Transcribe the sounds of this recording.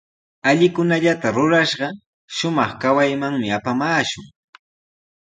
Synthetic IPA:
aʎɪkʊnaʎat̪aɾʊɾaʃɢɑ | ʃʊmɑχkawajmaŋmɪapamaːʃʊŋ

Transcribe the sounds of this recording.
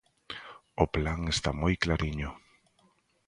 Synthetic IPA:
oplaŋest̪amojklaɾiɲʊ

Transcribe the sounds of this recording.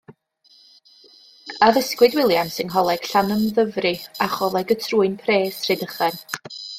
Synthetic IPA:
aðəskwɨdwɪlˠjansɪnɦɔlˠɛɡ̥ɬanəmðəvrɨaχɔlˠɛɡətʰruːɨnpʰreːsrɨdəχɛn

